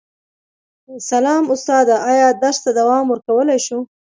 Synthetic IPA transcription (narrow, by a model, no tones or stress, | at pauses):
salɑmʊst̪ɑd̪aʔɑjɑd̪aɾst̪ad̪awɑmwəɾkawəlajʃu